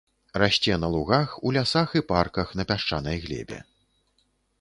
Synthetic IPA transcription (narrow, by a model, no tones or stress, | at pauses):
raɕʲt͡sʲɛnɐlˠuɣaxulʲasaxiparkɐxn̪ɐpʲaʂt͡ʂanɐjɣlʲɛ̰bʲɛ̰